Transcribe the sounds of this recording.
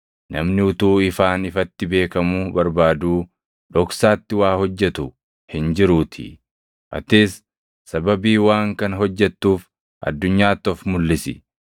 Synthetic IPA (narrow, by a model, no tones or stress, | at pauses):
nɐmnɪʊt̪uːɪfaːnɪfɐt̪ːɪbe̞ːkɐmʊbɐɾbaːd̪uː | ᶑɔksaːt̪ːɪwaːhɔd͡ʒːɛt̪ʊ | hɪnd͡ʒɪɾuːt̪ʰɪ̰ | ʔɐ̰t̪eːsː | ɐbɐbiːwaːŋkɐnɦɔd͡ʒːɛt̪ːuːf | ʔɐ̰d̪ːʊɲːaːt̪ːɔfmʊlːɪsɪ̰